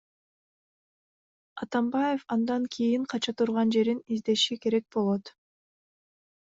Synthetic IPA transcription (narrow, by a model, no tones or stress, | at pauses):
ɑt̪ɑmbɑje̞fɑnd̪ɑŋkʰijiɴqʰɑt͡ʃɑt̪ʰuɾʁɑnd͡ʒe̞ɾinizd̪e̞ʃike̞ɾe̞k̚bo̞lˠo̞t̪